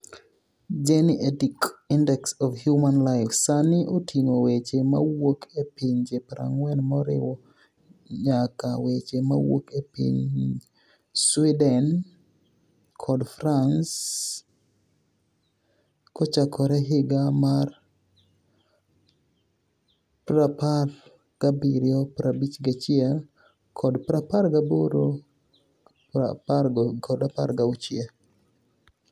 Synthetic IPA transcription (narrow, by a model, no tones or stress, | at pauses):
d͡ʒɛniʔɛtikindɛksɔfhjumanlaɪfsanɪʔotʰiŋowet͡ʃemawokʰepiɲd͡ʒepɾa̰ŋwɛnmɔɾɪ̰wɔ | ɲakawet͡ʃema̰wo̰kepḭɲ | swidɛn | kʰɔdfɾans | kɔt͡ʃakʰɔɾɛɦɪɡamar | pɾapar | ɡ̥abiɾjɔpɾabit͡ʃɡat͡ʃɪɛ | kʰɔdpɾapaɾɡaboɾo | apakɔdapa̰ɾɡaut͡ʃɪa